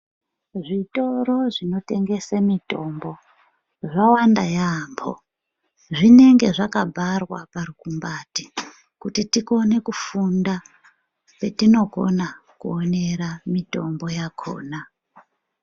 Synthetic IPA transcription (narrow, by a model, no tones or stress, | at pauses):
ʐito̞ɾo̞ʐino̞te̞ŋɡe̞samito̞mbo̞ | ʐawanda̰jambʰo̰ | ʐine̞ŋɡe̞ʐakabʱarwaparukumbati̥ | kutitiko̞ne̞kufunda | pe̞tino̞ɡʱo̞̰nakṵone̞ɾamito̞mbo̞jakʰo̰ːna